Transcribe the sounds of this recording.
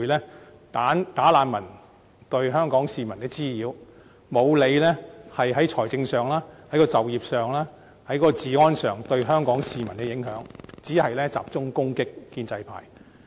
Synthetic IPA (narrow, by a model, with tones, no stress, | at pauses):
jlɛː˥ | t̪aː˨˥nt̪aː˨˥laː˨˧nmɐ˨˩n | t̪ɵ˧ɥɦœː˥ŋkɔː˨˥ŋsiː˨˧mɐ˨˩nkɛː˧t͡siː˥jiː˨˧w | mo˨˧wle˨˧jlɛː˥hɐ˨jɦɐ˨˥jt͡ʃʰɔː˨˩jt͡sɪ˧ŋsœː˨ŋlaː˥hɐ˨˥jkɔː˧t͡sɐ˨wjiː˨˩p̚sœː˨ŋlaː˥ | hɐ˨˥jkɔː˨˧˥t͡siː˨ŋɔː˥nsœː˨˩ŋt̪ɵ˧ɥɦœː˥ŋkɔː˨˥ŋsiː˨mɐ˨˩nkɛ˧jɪ˨˥ŋɦœ̰ː˨˥ŋt͡siː˨˥hɐ˨jlɛː˥t͡sa̰ː˨p̚t͡sʊ˥ŋkʊ˥ŋkɪ˥kːiː˧nt͡sɐ˧jpʰa̰ː˨˩j